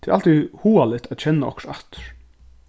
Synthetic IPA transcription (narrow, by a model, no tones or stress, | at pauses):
t̪ʰɪːɾʔa̰lt̪ihuːalɪt̪æt̪t͡ɕʰɛnːaɔ̰ksaht̪ɹ̥